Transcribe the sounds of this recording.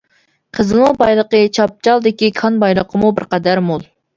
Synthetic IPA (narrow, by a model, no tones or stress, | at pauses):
qʰəzɨnubɑjlˠəqət͡ʃʰɑp̚t͡ʃʰɑlˠd̪ɪkʲikʰɑnbɑjlˠəqʰəmubɪɾqɑd̪æɾmolˠ